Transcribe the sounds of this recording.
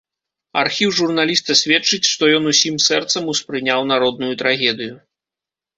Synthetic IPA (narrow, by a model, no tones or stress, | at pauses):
a̰rxʲiwʐurnalʲist̪ɐsʲvʲɛt͡ʂɨt͡sʲʂt̪ɔjɔnusʲimsɛrt̪sɐmuspɾɨnʲawn̪aɾɔd̪̚nujut̪ɾaɣʲɛd̪ɨju